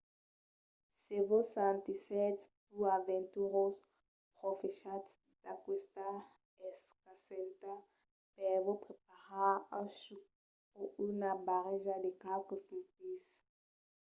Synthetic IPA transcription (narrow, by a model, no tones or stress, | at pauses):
sevosãnt̪isɛt̪spuavɛ̃nt̪uʁos | pʁofeʃat̪s | d̪̥akwest̪a | ɛskasɛnt̪a | pɛvopχepaʁaãʃu | oynabaʁeʒad̪ekalkosmpis